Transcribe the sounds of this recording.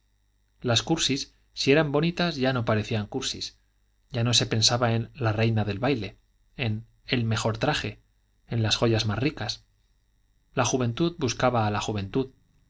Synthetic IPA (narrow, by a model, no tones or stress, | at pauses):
laskuɾsisː | ie̞ɾambo̞nit̪azʝano̞paɾe̞θiaŋkuɾsḭs | ɟ͡ʝano̞se̞pe̞nsaβae̞nlare̞jnaðe̞lβajle̞ | en | elme̞xo̞ɾt̪ɾaxe̞ | enlasxo̞ʝazmasrikas | laxuβ̞ẽ̞nt̪uðbuskaβaːlaxuβ̞ẽ̞nt̪uð